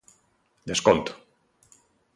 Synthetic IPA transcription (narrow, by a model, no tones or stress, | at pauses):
d̪eskont̪ʊ̥